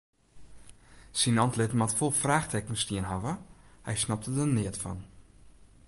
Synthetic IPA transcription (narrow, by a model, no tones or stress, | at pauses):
sinɔntlɪtmatfolˠfraːxtʰɛkənstiənɦavəhɛ̰jsnap̚tədənɪətfɔ̰n